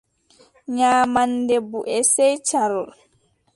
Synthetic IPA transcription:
ɲaːmandɛbuʔɛsɛjt͡ʃaɾɔl

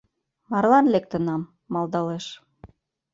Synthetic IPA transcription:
mɑrlɑnlek̚t̪ə̆nɑmː | ɑlˠd̪ɑleʃ

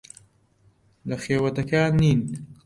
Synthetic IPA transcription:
d̪əxewat̪akjɑːnin

